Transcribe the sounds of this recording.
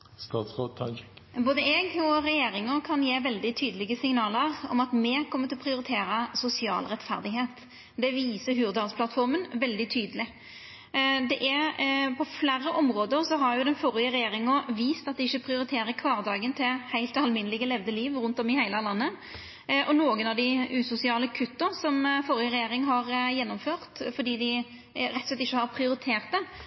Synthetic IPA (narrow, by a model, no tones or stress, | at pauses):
st̪ɑːt̪sʁoːd̪̚t̪ʰɑ | boːd̪əɛːɡɔɾɛjeːɾɪŋəkʰɑnjeːʋɛld̪ɪt̪ʰyːd̪əlɪɡəsɪŋnɑːləɾɔ̰mɑt̪mɛkʰɔmːət̪ɪlɔpʰɾɪʊɾɪt̪ʰeːɾɑsʊsɪɑ̰ːlʁɛt̪fæ̰ʁd̪ɪɡheːt̪ | d̪ɛʋiːsəɦʉːʁd̪ɑːɡspʰlɑt̪fɔɾmənʋɛld̪ɪt̪ʰyːd̪əlɪ | d̪ɛʔæɾpʰɔflæːɾːəʔɔmɾoːd̪əɾsɔɦɑɾjʊd̪ɛnfɔɾɪəɾɛjeːɾɪŋɔʋiːst̪ɑt̪̚d̪ɪɪçːəpʰʁɪʊɾɪt̪ʰeːɾəkʰʋɑːʁd̪ɑːɡənt̪ʰɪhæɪlt̪ɑlmɪnəlɪɡəlɛʋd̪əliːʋɾʉnt̪ɔmɪhæɪləlɑnːə | ʔɔnoːɡənɑʋd̪ɪʉːsʊsɪɑːləkʰʉt̪ːʊsɔmfɔɾɪəɾɛjeːɾɪŋɦɑɾjɛnːɔmføːʁt̪fɔd̪iːd̪ɪ | ɾɛt̪ɔslɛt̪ɪçːəhɑɾpʰɾɪʊɾɪt̪ʰeːʁt̪̚d̪ɛ